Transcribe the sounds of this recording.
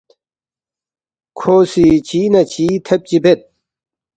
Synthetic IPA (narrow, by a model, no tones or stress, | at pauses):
kʰoːsit͡ɕiːnɐt͡ɕiːt̪ʰɐp̚t͡ɕibʱet̪̚